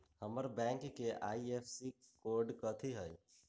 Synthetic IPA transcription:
həməɾbɛ̃ŋkːeʔaːiepʰsikoːɾɖkət̪ʰiɦəj

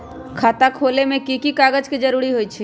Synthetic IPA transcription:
kʰaːt̪akʰolemẽkikikaɡəd͡ʒked͡ʒəɾuɾiɦojt͡ʃʰi

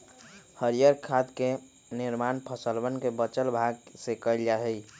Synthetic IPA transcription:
həɾijəɾkʰad̪ke | niɾmanpʰəsəlbənkebət͡ʃəlbʱaɡsekəɪld͡ʒaɦəj

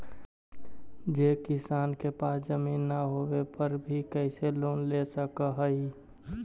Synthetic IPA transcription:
d͡ʒeːkɪsaːnkepaːsd͡ʒəmiːnːəɦowepəɾbʱikəɪseloːnlesəkəɦəi

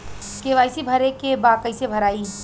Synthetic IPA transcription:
keʋajsibʱəɾekebad̪̚kəɪsebʱəɾaːi

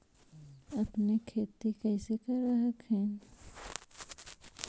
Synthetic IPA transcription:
ɐpnekʰeːt̪ikɛːsekɐɾːəɦəkɦɛ̃ː

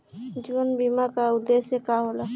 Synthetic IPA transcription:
d͡ʒiənbimakaud̪esekaɦola

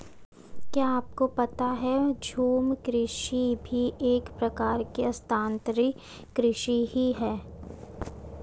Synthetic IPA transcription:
kjaːaːp̚kopɐt̪aɦɛd͡ʒʱoːmkɾɪʃibʱiʔeːkpɾɐkaːɾkiɐst̪ʰãːnt̪ɾi | kɾɪʃiɦiɦɛː

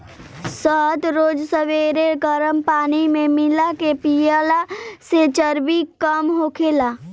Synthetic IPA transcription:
səɦt̪ɾoːd͡ʒsəʋeɾeɡəɾəmpaːnimẽmɪlakepijalaset͡ʃəɾbikəmɦokʰelaː

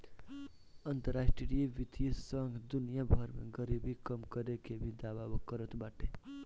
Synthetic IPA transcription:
ʌnt̪əɾasʈieʋit̪isʌŋɡʱd̪unijabʱʌɾmḛɡʌɾibʱikʌmkʌɾekebʱid̪ababʌkʌɾət̪baʈe

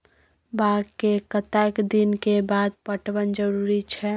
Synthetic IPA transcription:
baɡkekət̪akd̪inkebaːd̪̚pəʈwənd͡ʒəɾuːɾit͡ʃʰɛ

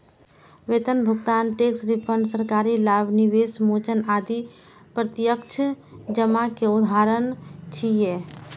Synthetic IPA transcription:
ʋet̪ənbʱuɡt̪anʈeksɾipəɳɖsəɾkaɾilabniʋesmot͡ʃənad̪i | pɾət̪jəkt͡ʃʰd͡ʒəmakeud̪ʱaɾənt͡ʃʰije

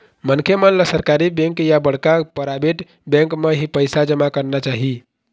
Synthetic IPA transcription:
mənkʰemənləsəɾkaɾibẽŋkjabəɽ̤kapəɾabeʈ | bẽŋkmeɦipəjsad͡ʒəmakəɾnat͡ʃaɦi

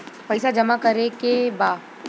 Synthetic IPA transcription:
pɐɪsad͡ʒɐmakɐɾekebaːd

